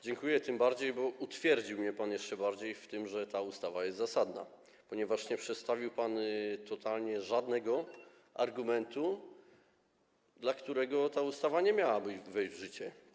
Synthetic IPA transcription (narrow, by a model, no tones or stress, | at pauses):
d͡ʑɛŋkujɛt̪ɘmbaɾd͡ʑejbɔut̪fʲjɛɾd͡ʑiwmɲɛpanjɛʂt͡ʂɛbaɾd͡ʑejft̪ɘmʐɛt̪aust̪avajɛst̪zasad̪na̰ | pɔɲɛvaʂɲɛpʂɛt̪st̪avʲiwpant̪ɔt̪alɲɛʐad̪nɛɡɔ | a̰ɾɡumɛnt̪u | d̪lakt̪uɾɛɡɔt̪aust̪avaɲɛmʲjawabɘd͡ʑvɛjʑd͡ʑvʐɘt͡ɕɛ